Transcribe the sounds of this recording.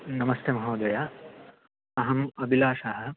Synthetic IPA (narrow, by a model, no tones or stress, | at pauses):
nɐmɐst̪ʰjemɐɦɐwd̪ɐja | ɐɦɐmɐbʱilaːʂaɦɐ